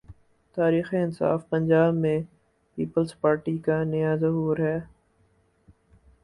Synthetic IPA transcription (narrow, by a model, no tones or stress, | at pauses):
t̪aːɾiːxiɪnsa̰ːfpɐ̃ɲd͡ʒaːbmẽ | piːpəlspaːɾʈikanɐjazɐɦuːɾɦɛː